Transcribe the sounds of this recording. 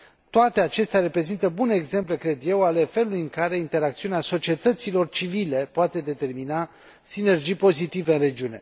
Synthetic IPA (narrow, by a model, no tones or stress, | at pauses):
t̪oat̪e̞at͡ʃe̞st̪eaɾe̞pɾe̞zint̪əbune̞ːɡze̞mple̞kɾe̞d̪jewale̞fe̞lulujɨŋkaɾe̞int̪e̞ɾak̚t̪siuneaso̞t͡ʃiet̪ət̪silo̞rt͡ʃivile̞poat̪e̞d̪e̞t̪e̞rmina | sine̞rd͡ʒijpo̞zit̪ive̞ɨnre̞d͡ʒiune̞